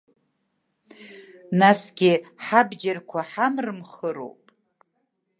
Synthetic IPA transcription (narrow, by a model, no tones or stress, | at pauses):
nasɡʲɪħabd͡ʒarkʷʰaħamrɨmχəɾo̞̰wpʼ